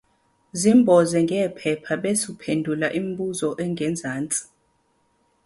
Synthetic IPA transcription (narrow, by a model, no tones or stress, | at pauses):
zimbʱɔzɛŋɡʱɛːpʰɛpʰaɓesupʰendʱulaʔim̩ɓuzɔʔɛŋɡʱɛnd͡zʱaːnt͡sʼi̥